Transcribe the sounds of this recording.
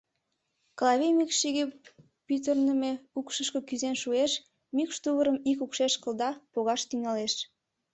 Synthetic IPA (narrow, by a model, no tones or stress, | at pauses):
klɑβemikʃiɣe | pyt̪̬ərnəmeukʃəʃkə̆kyzenʃueʃ | mikʃt̪uβəɾəmikukʃeʃkəld̪ɑpoɣɑʃt̪yŋɑleʃ